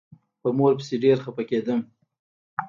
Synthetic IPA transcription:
pəmoɾp̬ə̥seɖeɾxapaked̪əm

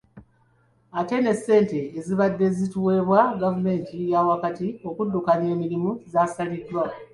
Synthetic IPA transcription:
ate̞ne̞se̞ːnte̞ːziβadːe̞zituwe̞ːβwaɡavume̞ːntijawakatio̞kudːukanje̞ːmiɾimuzaːsalidwa

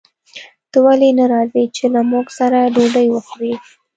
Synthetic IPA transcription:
t̪əwalenaɾɑzit͡ʃelamuɡsaɾaɖoɖəjwəxɾi

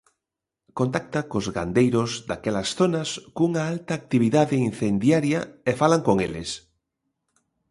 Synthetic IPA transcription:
kont̪ak̚t̪ɐkozɣa̰nd̪ejɾʊzd̪akɛlɐsθonɐskouŋɐalt̪aːk̚t̪iβiðaðein̟θend̪jaɾjɐefalaŋkoŋelɪ̰s

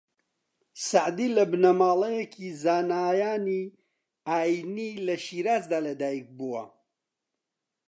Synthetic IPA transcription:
saʕd̪iːlɐbnɐmaːlˠejekʰizaːnaːjaːni | aːjnilɐʃiːɾaːzd̪aːlɐd̪aːjik̚buwɐ̰

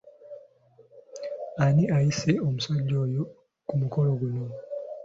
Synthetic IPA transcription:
aniʔajise̞omusaɟːo̞ːjo | kumuko̞lo̞ɡuno

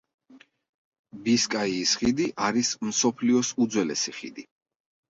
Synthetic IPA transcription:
biskʼaiːsχid̪iʔaɾismsɔpʰliɔsud̪zwɛlɛ̰siχḭd̪i

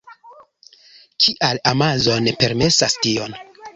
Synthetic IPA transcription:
kʰiʔalamazo̞ne̞pe̞ɾme̞sastio̞n

